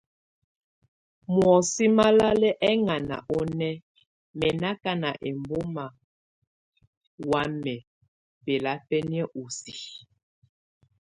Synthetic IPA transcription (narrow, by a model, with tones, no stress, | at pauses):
mwɔ˨si˦ma˦la˦lɛ˦ʔɛ˦ŋa˨na̰˨ʔɔ˦nɛ˦ | mɛ˨na˦ka˦na˨ʔe˨mbo˦ma˨ | wa˦mɛ˨ | pɛ˨la˦pɛ˦ni˦ɛ˦ʔu˨si˨